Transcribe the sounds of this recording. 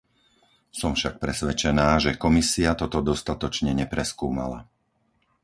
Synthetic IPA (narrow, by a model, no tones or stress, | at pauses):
sɔmfʃak̚pɾɛsʋɛt͡ʃɛnaːʒɛkɔmisiat̪ɔt̪ɔd̪ɔst̪at̪ɔt͡ʃɲɛɲɛpɾɛskuːma̰la̰